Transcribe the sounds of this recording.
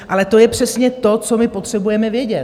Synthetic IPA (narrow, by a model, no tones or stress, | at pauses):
ʔalɛt̪o̞jɛpr̝̥ɛsɲɛt̪o̞t͡so̞mɪpo̞t̪r̝̥ɛbujɛmɛvjɛɟɛt̪